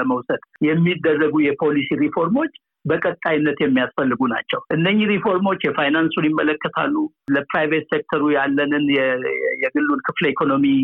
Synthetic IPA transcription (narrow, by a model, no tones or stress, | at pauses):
əməwsəd̪̥jɛmːid̪ːərːəɡujɛpʰo̞lisiɾifo̞ɾmo̞t͡ʃː | bəkʼət̪ʼajnːət̪jɛmːijasfəlːɨɡuna̰t͡ʃːɛwʔɨndəɲːiɾifo̞ɾmo̞t͡ʃːjɛfajnansunjɪmːələkːət̪ʰa̰lːu | ləpɾajvet̪sek̚t̪ʰəɾujalːənɨnɛjɛɡɨlːunkʰɨfləikʰo̞no̞mi